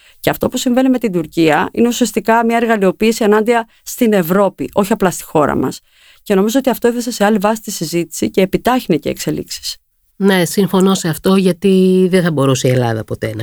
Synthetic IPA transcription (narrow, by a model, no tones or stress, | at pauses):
ceɐft̪o̞pusiɱve̞nime̞t̪ind̪uɾciɐḭne̞usiɐst̪ikɐmɲɐeɾɣɐlio̞piːsienɐnd̪iɐ | st̪ine̞vɾo̞piʔo̞çiɐplɐst̪i̥xo̞ɾɐ̰mɐ̰s | ce̞no̞mizo̞o̞t̪iɐft̪o̞e̞θese̞se̞ɐlivɐsi̥t̪isizit̪i̥sice̞ːpit̪ɐçinece̞̰ːkse̞lḭksi̥s | nesiɱfo̞no̞seɐft̪o̞ʝɐt̪iðeθɐbo̞ɾusie̞lɐ̰ðɐ̰po̞t̪e̞nɐ